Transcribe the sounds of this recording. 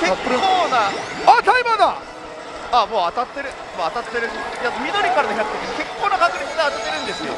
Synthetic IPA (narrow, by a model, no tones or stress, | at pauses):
kekonaat̪aimad̪a | amoat̪at̪ːeɾɯ | moat̪at̪ːe̞ɾɯ̟ijat͡sɯmʲinoɾʲikaɾad̪oɦiakɯ̥t̪ek̪eoke̞kːonakaɡɯɾʲimĩnːat̪at̪ːe̞ɾɯ̟nd̪e̞sɨjo